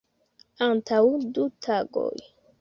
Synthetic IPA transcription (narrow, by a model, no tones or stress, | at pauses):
antʰawdutʰaɡo̰j